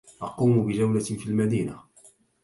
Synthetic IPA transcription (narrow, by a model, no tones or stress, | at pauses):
ʔɑquːmʊbɪd͡ʒawlafiːlmad̪iːna̰